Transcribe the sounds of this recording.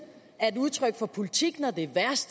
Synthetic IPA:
æɐe̝d̥uð̞ˠt͡sʰʁœɡ̥fɒ̽pʰo̝lit͡sʰiɡ̥nɒd̥e̝ʋæɐsd̥

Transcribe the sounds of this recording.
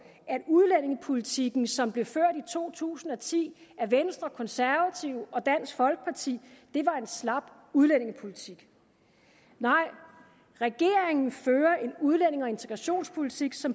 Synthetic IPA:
æd̥uðˠlen̰e̝ŋəpʰo̝lit͡sʰiɡ̥n̩sɒ̽mb̥le̝føɐ̰d̥it͡sʰo̝̰ːt͡sʰṵːsn̩ɒ̽t͡sʰḭːæɐʋensd̥ʁɐkʰɒ̽nsæɐʋæt͡sʰiʊɒ̽d̥æn̰sɡ̥fɒ̽lɡ̥ə̥pʰɑ̈t͡sʰḭːd̥e̝ʋɑ̈e̝nslɑ̈b̥ | uðˠlen̰e̝ŋəpʰo̝lit͡sʰiɡ̥ | nɑ̈ɪ̰ | ʁɛɡ̥e̝ɐ̰eŋn̩føːɐʔe̝nuð̞ˠlen̰e̝ŋɒ̽e̝nt͡sʰe̝ɡ̥ʁɑ̈ɕo̝̰ːnspʰo̝lit͡sʰiɡ̥sɒ̽m

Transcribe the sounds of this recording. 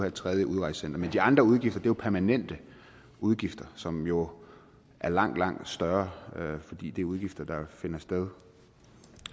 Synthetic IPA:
hæt͡sʰʁɛð̞ˠjəʔuð̞ˠʁɑ̈ɪssen̰d̥ɐmend̥iɑ̈nd̥ʁɐuð̞ˠɡifd̥ɐd̥e̝jo̝pʰæɐmænen̰d̥ə | uð̞ˠɡ̥ifd̥ɐsɒ̽mjo̝ | ʔæɐlɑ̈ŋ̰d̥lɑ̈ŋ̰d̥sd̥ɶɐfɒ̽d̥ḭːd̥e̝æɐuð̞ˠɡ̥ifd̥ɐd̥ɑ̈fe̝nɐsd̥eð̞ˠ

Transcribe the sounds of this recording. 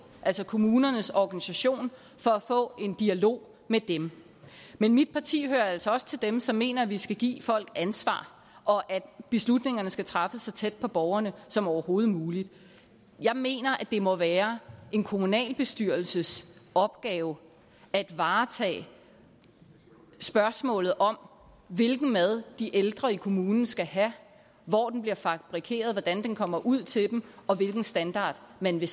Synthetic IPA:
ʔæl̰sɒkʰo̝muːnɐnəsɒɡ̥ænisæɕo̝̰ːn | fɒ̽æfɔ̰̽ːe̝nd̥iælo̝̰ː | med̥em | menmid̥̚pʰɑ̈t͡sʰḭːhøːɐælsɒɒ̽sə̥t͡sʰe̝ld̥emsɒ̽mːe̝̰ːnɐʋisɡ̥æɡ̥ḭːfɒ̽l̰ɡ̥ænsʋɑ̰̈ː | ʔɒ̽ʔæd̥b̥e̝slud̥ne̝ŋɐnəsɡ̥æt͡sʰʁɑ̈fəsːɒt͡sʰed̥̚pʰɒ̽b̥ɒʊɐnəsɒ̽mɒʊɐho̝ːð̞̩ˠmuːlid̥ | jɑ̈ɪme̝̰ːnɐʔæd̥e̝mɒ̽ʋæːɐʔe̝nkʰo̝munɛ̰ːlb̥e̝sd̥yɐ̰lsəsɒ̽b̥̚ɡ̥ɛːʊ | æd̥ʋɑ̈ːt͡sʰɛ̰ː | sb̥ɶɐsmɔ̰̽ːlð̩ˠʔɒ̽m | ʋe̝lɡ̥n̩mæð̞ˠd̥iʔeld̥ʁɐikʰo̝muːnn̩sɡ̥æɦæ | ʋɒ̰ːd̥enb̥liɐfɑb̥ʁikʰe̝̰ːɐð̞̩ˠʋɒd̥ænd̥enkʰɒ̽m̰ɐʔuð̞̰ˠt͡sʰe̝d̥em̩ɒ̽ʋe̝lɡ̥n̩sd̥ænd̥ɑ̰̈ːd̥mænʋe̝

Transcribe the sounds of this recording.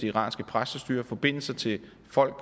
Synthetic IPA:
iiʁɑ̰̈ːnsɡ̥əpʰʁasəsd̥yːɐfɒ̽b̥e̝n̰l̩sɐt͡sʰe̝ | fɒ̽l̰ɡ̥̚p

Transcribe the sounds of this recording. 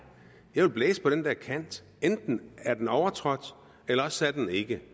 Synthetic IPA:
jɑ̈ɪʋe̝lblɛːsəpʰɒ̽ɾ̥end̥æɐkʰæn̰d̥ | end̥n̩æɐd̥enɒʊɐt͡sʰʁɒ̽d̥ | elɐɒsæd̥ene̝ɡ̥ə

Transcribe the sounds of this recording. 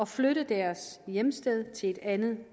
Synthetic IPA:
ɒ̽fløɾ̥əðd̥æɐsjemsd̥eð̞ˠt͡sʰe̝le̝d̥ænð̞̩ˠ

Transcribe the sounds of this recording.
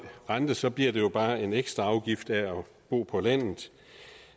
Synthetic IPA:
ʁɑnd̥əsɒ̽b̥liɐ̰d̥e̝jo̝b̥ɑ̈ːe̝neɡ̥sd̥ʁɐ̈ɑ̈ʊɡ̥ifd̥æɒ | b̥o̝̰ːpʰɒ̽læn̰ð̩ˠ

